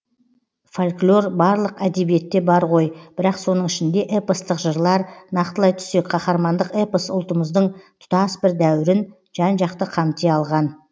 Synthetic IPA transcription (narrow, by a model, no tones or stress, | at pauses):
folʲklʲˠo̞ɾbɑɾlˠəqæd̪e̞bije̞t̪ːe̞bɑɾqo̞jb̥ɪɾɑqso̞nəɴɪʃɪnd̪e̞ʔepəst̪əqʒəɾlˠɑɾnɑqt̪əlˠɑjt̪ʰʏ̥se̞k̚ʲqʰɑχɑɾmɑnd̪əqepəsʊ̰lˠt̪əməzd̪əɴt̪ʰʊ̥t̪ɑsbɪɾd̪æwɪɾɪn | ʒ̥ɑnʒɑqt̪əqʰɑmt̪eɑlˠʁɑn